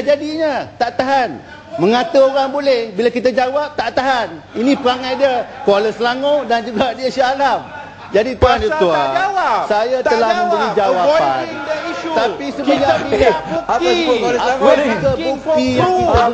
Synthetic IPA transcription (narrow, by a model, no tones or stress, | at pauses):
d͡ʒadiɲat̪aʔt̪aɦan | mə̃ŋãt̪uoɾaŋbolɛhbilakit̪ad͡ʒawap̚t̪aʔt̪aɦaninĩpəɾaŋajdiakəaləsəlaŋodand͡ʒuɡadiasiːlam | d͡ʒadit̪anuad͡ʒawasajat̪əlahmə̃mbəlid͡ʒawapa̰naiut̪apisəməd͡ʒadiau | aakəut̪iit̪a